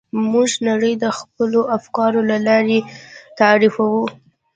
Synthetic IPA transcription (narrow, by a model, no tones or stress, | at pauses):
muʒnaɽəjd̪əxpəloʔafkɑɾolalɑɾet̪aɾifawu